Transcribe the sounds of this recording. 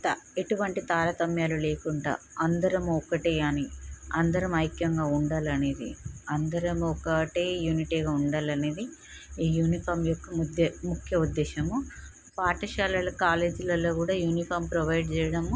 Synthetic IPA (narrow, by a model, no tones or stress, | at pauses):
t̪eʈuʋɐɳʈit̪aːɾɐt̪ɐmjaːlule̞ːkuɳɖa̰ː | ɐnd̪ɐɾɐmuɔkɐʈeːɐniɐnd̪ɐɾɐmɐjkjɐŋɡaːuɳɖaːlɐne̞ːd̪ḭɐnd̪ɐɾɐmuɔkɐʈeːjuːniʈiːɡaːuɳɖaːlɐneːd̪i | iːjuːnipʰɐːɾmjokːɐd̪mukʰjɐud̪ːɛːʃɐmu | paːʈɐʃaːlɐlɐkaːle̞ːd͡ʒulɐlo̞ːkuːɽaːjuːnipʰɐːɾmpɾɐʋɐjɖt͡ʃɛːjɐɽɐm